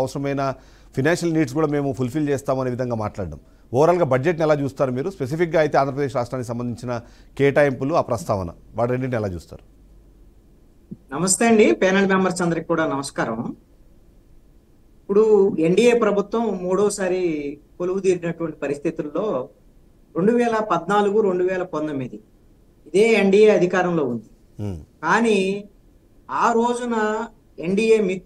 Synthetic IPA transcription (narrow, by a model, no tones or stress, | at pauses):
ɐʋɐsɐɾɐmɐjnɐ | pʰinaːnʂɐlniːɖskuːɽaːme̞ːmupʰulpʰilt͡ʃeːst̪aːmuɐneːʋid̪ɐŋɡaːmaːʈlaːɽɖa̰m | ɔːɾaːlɡaːbɐd͡ʒeʈnɛlaːt͡ʃuːst̪aːɾumiːɾuspe̞s̬ipʰikɡaːɐjt̪e̞aːnd̪ʱɐp̬ɾd̪eːʃ̬ɾaːʂʈɾaːnikis̬ɐmbɐnd̪ʱiɲt͡ʃinɐkeːʈaːjempuluaːpɾɐst̪ʰaːʋɐnɐ̰ʋaːɽɾeɳɖiʈnɛlaːt͡ʃṵːst̪a̰ːɾu | nɐmɐst̪ɐɐɳɖipɛːnɐlmaːmbɐɾsɐnd̪ɐɾɐkikuːɽaːnɐmɐskaːɾɐm | ipːuɽue̞ɳɖijeːpɾɐbʱut̪ʋɐmːuːɽɔːsaːɾipoluwud̪iːɾinɐʈuʋɐɳʈipɐɾist̪ʰit̪ulːo̞ː | ɾe̞ɳɖuʋɛːlɐpɐd̪naːluɡuɾe̞ɳɖuʋɛːlɐpɐnd̪ɐmid̪i | id̪e̞ːeɳɖijeːɐd̪ʱikaːɾɐmlo̞ːund̪i | kaːni | aːɾo̞ːd͡ʒunɐ | e̞ɳɖiːjeːmit̪